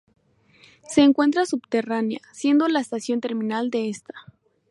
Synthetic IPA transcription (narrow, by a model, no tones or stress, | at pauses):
se̞ːŋkwe̞nt̪̬ɾasubt̪eranja̰sje̞nd̪o̞laest̪asjo̞nt̪e̞ɾmĩnald̪e̞est̪ḁ